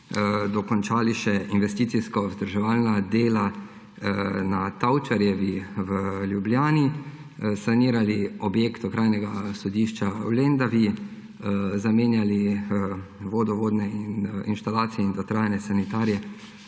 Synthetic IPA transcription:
d̪ɔkɔnt͡ʃaːliʃɛʔinʋɛst̪iːt̪siskɔzd̪əɾʒɛʋaːlnad̪eːla | nat̪awt͡ʃaɾjɛʋiʋəljubljaːni | saniːɾaliɔbjeːkt̪ɔkɾajnɛɡasɔd̪iʃt͡ʃawlend̪aʋi | zameːnjali | ʋoːd̪ɔʋoːd̪nɛininʃt̪alaːt̪sijɛind̪ɔt̪ɾaːjanɛsanit̪aːɾjɛ

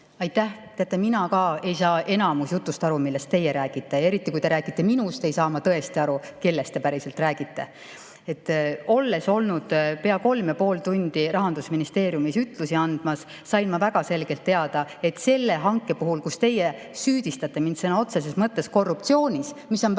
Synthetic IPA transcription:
ɑjt̪ːæht̪eɑt̪ːˑeminɑkɑːe̞jsɑːʔe̞nɑmusjut̪ːˑust̪ɑɾumilːest̪ːe̞jːeɾæːɡ̥it̪ːˑee̞ɾit̪ːˑikujt̪e̞ɾæːɡit̪ˑːe̞minust̪e̞jsɑːmɑt̪ɤe̞st̪iɑɾuke̞lːest̪e̞pæɾise̞lt̪ræːɡ̥it̪ːe̞ | et̪ːˑo̞lːe̞so̞lnud̪̥pe̞ɑko̞lmepo̞ːlt̪unʲd̪̥iɾɑɦɑnd̪usminist̪e̞ːɾjumisyt̪ˑlusiɑnd̪̥mɑsː | ɑjnmɑvæɡ̥ɑse̞lɡ̥e̞lt̪ːe̞ɑd̪̥ɑe̞t̪ˑse̞lːeɦɑŋkːˑe̞puɦulkust̪e̞jːe | syːd̪̥ist̪ɑt̪ːˑe̞mind̪senɑo̞t̪se̞s̬esmɤt̪ːe̞sko̞rːupt̪sio̞ːnʲismisːo̞n

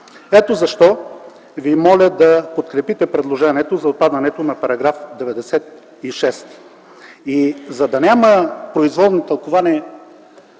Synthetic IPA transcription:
ɛt̪ozɐʃt̪ɔ | vimɔlʲəd̪ɐpot̪kɾɛpit̪ɛpɾɛd̪lˠoʒɛniɛt̪ozɐot̪̚pad̪ɐnɛt̪onɐpɐɾɐɡɾafd̪ɛvɛd̪ɛsɛt̪̚ | iʃɛst̪ | izɐd̪ɐnʲaməpɾoizvɔlˠnot̪ɐlˠkovaniɛ

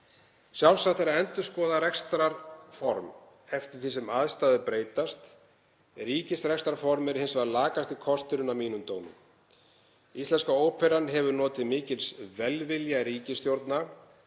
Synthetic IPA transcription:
sjawlsat̪aɾaɛnt̪ʏ̥skɔːðaɾɛkst̪ɾaɾfɔɾm | ɛft̪ɪ̥θisɛmaðst̪aːðɪpɾeːjt̪ast̪ | riːcɪsɾɛkst̪ɾaɾfɔɾmɪɾhɪnsvaɾlaːkast̪ikʰɔst̪ʏɾʏnawmiːnʏmt̪oːwmʏ̰m | ist̪ɛnskaoːwpʰɛɾanɦɛvʏɾnɔːt̪ɪðmɪːcɪlsvɛlvɪljaɾiːcɪst̪jowɾt̪na

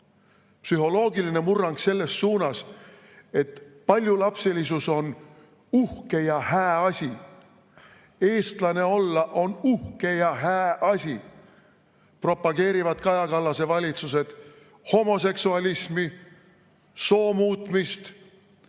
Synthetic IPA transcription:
psyɦo̞lo̞ːɡiline̞murːɑŋɡ̥se̞lːe̞sːuːnɑs | e̞t̪pɑlʲjulɑpselisuso̞n | uhke̞jɑhæːɑsʲi | e̞ːst̪lɑne̞o̞lːɑʔo̞nuhke̞jɑɦæːʔɑsʲi | pro̞pːɑɡ̥e̞ːɾivɑt̪kɑjɑkɑlːɑse̞vɑlʲit̪sus̬e̞d̪̥ | ho̞mo̞s̬e̞ksuɑlismi | so̞ːmuːt̪ˑmist̪

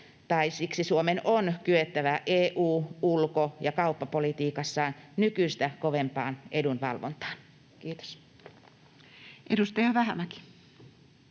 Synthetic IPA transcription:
t̪ɑisiksisuomenonkyet̪ːæʋæʔeːʔuːulkojɑkɑupːɑpolit̪iːkɑsːɑːnnykyist̪ækoʋempɑːnʔedunʋɑ̰lʋo̰nt̪ɑ̥ːn | kiːt̪o̥s | ʔedust̪ɑjɑʋæhæmæki̥

